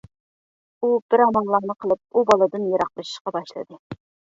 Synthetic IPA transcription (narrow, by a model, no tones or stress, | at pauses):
ubɪɾɑmɑlˠːɑːnɨqʰəlˠɨp̚ubɑlˠɨd̪ɨnjeɾɑqlˠɨʃi̥ʃqɑbɑʃlˠɨ̰d̪ɨ